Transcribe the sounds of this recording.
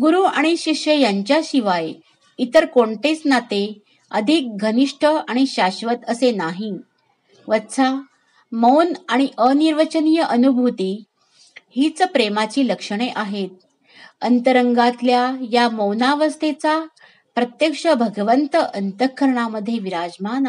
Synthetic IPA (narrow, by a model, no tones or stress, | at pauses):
ɡuɾuaɽ̃iɕikʂjəjaɲt͡ɕjaɕiʋaj | it̪əɾkoɳʈesnat̪e | əd̪ʱik̚ɡʱəniʂʈʰəaɽ̃iɕaɕʋət̪əsenaɦĩ | ʋət̪t͡sʰa | mownaɽ̃iʔəniɾʋət͡ɕənijəʔənubʱut̪iː | hit͡spɾemat͡ɕiːləkʂəɳeʔaɦet̪̚ | ənt̪əɾəŋɡat̪ljajaməwnaʋəst̪ʰet͡sa | pɾət̪jəkʂəbʱəɡʋənt̪əənt̪əkʰːəɾɳ̃aməd̪ʱːjeʋiɾad͡zman